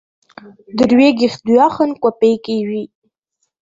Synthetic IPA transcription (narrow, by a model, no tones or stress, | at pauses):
d̪əɾweɡixd̪ujɑxənkʷapekewi